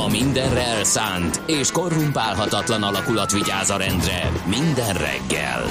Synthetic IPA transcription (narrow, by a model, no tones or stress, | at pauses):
ɒmind̪ɛnrɛlsaːnt̪eːʃko̞rːumpaːlɦɒt̪ɒt̪lɒnɒlɒkulɒt̪ʋiɟaːzɒɾɛnd̪rɛmind̪ɛnrɛ̰ɡːɛ̰l